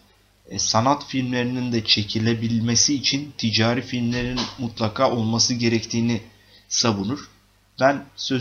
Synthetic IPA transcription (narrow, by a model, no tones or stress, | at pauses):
sanat̪filʲmlʲe̞ɾinind̪ɛt͡ʃʰe̞cʰilʲe̞bilʲme̞siːt͡ʃʰint̪ʰid͡ʒaːɾifilʲmlʲe̞ɾinmut̪lˠakʰaːʔo̞lˠmasɯɟe̞ɾɛct̪ʰiːni | saβunuɾ̥ | b̥ænsø